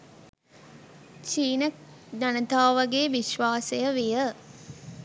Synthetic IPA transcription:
t͡ʃiːnɐk̚ | d̪ɐnət̪aːʋɐɡeːʋiʃʋaːsejəʋijə

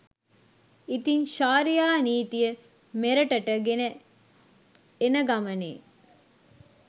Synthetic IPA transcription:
it̪inʃaːɾijaːniːt̪ijə | meɾəʈəʈəɡenə | enəɡamənḛː

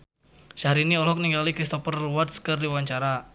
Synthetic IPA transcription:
ʃaɦɾiniɔlɦɔk̚niŋɡalikɾist̪ɔpərluwat̪skərdiwaɲt͡ʃaɾa

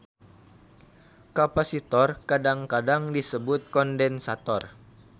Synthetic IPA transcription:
kapasit̪ɔrkadaŋkadaŋdisəbʊt̪̚kɔndɛnsat̪ɔr

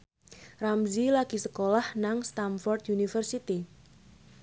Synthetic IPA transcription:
ramzilaɡ̥i̤səkolahnaŋst̪anfɔrd̪junifərsit̪i

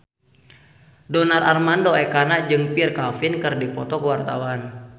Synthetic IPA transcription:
dɔnararmandoɛkanad͡ʒɨŋpirkafinkɨrdipɔt̪ɔkəwart̪a̰wan

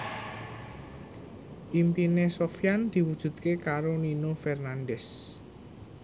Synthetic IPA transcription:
ʔimpinesofjand̪̥i̤wud̥ʒ̥ṳd̪̥̚kekaɾoninofɛrnandɛs

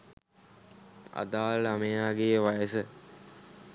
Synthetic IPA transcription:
a̰d̪aːlamejaːɡejəʋajəsə

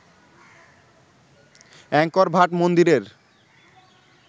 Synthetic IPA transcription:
ɛŋkɔɾbʱaʈmond̪iɾeɾ

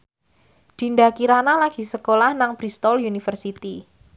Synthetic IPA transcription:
d̥i̤ndakiɾanalaɡ̥i̤səkolahnaŋb̥ɾist̪ɔljunifərsit̪i

